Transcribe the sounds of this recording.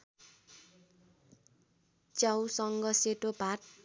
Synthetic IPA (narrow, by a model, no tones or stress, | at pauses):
t͡sjawsʌŋɡʌseʈobʱat